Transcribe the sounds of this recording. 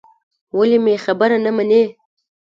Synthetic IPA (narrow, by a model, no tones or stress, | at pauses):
walemexabaɾanamane